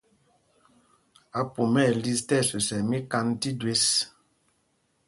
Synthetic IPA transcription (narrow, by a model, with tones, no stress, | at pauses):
a˨pu˨mɛ˦˨li˦stɛ˦˨sø˨sɛ˨mi˦ka˦nti˦dwe˦s